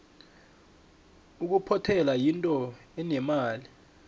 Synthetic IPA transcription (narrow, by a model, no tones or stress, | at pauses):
uk̬upʰɔtʰɛlajintʼɔɛnɛmaːli